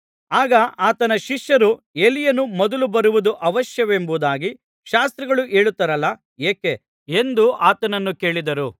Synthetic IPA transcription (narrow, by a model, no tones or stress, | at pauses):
aːɡɐaːt̪ɐnɐʃiʂjɐɾu | e̞lijɐnːumɔd̪ɐlubɐɾuʋud̪uʔɐʋɐʃjɐʋembud̪aːɡi | ʃaːst̪ɾɐɡɐɭuʔe̞ːɭut̪ːɐɾɐlːɐ | eːke | e̞nd̪uʔaːt̪ɐnɐnːuke̞ːɭid̪ɐɾu